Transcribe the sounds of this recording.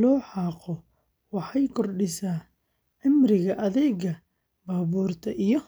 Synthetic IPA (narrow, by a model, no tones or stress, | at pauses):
lɔːħɑːqɔ | wɑħɑjkʰɔrɖɪsaː | ʕɪmrɪɣɐʔɐðɛːɣɐ | baːβuːrt̪ʰɐʔijɔ